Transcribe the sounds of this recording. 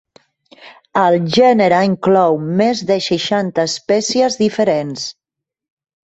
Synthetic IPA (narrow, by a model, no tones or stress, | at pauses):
əlˠʒɛnəɾəiŋklɔwmezðəʃəʃant̪əːspɛsiəzðifəɾens